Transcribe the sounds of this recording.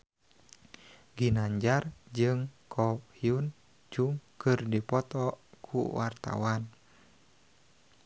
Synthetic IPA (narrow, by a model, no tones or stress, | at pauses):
ɡinaɲd͡ʒard͡ʒɨŋkʰɔhiun | d͡ʒuŋkɨrdipɔt̪ɔkʰṵwart̪a̰wan